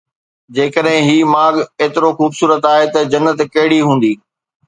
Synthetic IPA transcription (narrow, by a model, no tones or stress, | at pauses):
d͡ʑeːkəɗɦɪ̃ɦiːmaːɠeːt̪ɪɾoxuːbsuːɾət̪aːɦet̪ɐd͡ʑɐnːət̪kɐɦɪɽiɦũːn̆d̪iː